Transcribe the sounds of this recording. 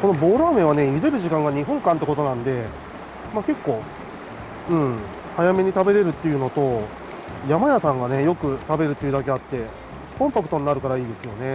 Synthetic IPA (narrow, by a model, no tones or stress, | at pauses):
ko̞no̞bo̞ːɾaːmẽ̞βane̞jid̪e̞ɾɯ̟ʑikãŋɡaɲ̟iɦõ̞ŋkãnt̪̬ːe̞kot̪o̞nãnd̪e̞ | maːke̞kːo̞ː | ɯ̟̃ɴ | hajame̞ɲ̟it̪abe̞ɾe̞ɾɯ̟t̪ːe̞jɯ̟no̞t̪o̞ | jamajasãŋɡane̞jo̞kɯ̟t̪abe̞ɾɯ̟t̪ːe̞jɯ̟d̪ake̞at̪ːe̞ | kõ̞mpakɯ̟t̪o̞ɲnaɾɯ̟kaɾaiːd̪e̞sɨjo̞ne̞